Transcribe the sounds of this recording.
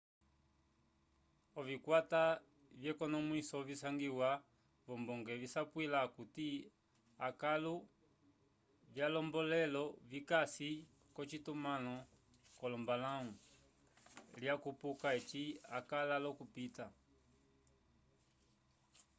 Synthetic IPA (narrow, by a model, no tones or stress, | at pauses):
ɔvikwata | vjɛkɔnɔmwisɔvisaŋɡiwa | vɔmbɔŋɡɛvisapwilakuti | akalu | vjalɔmbɔlɛlɔvikasi | kɔt͡ʃitumanɔ | kɔlɔmbalaŋu | ljakupukaɛt͡ʃiakalalɔkupita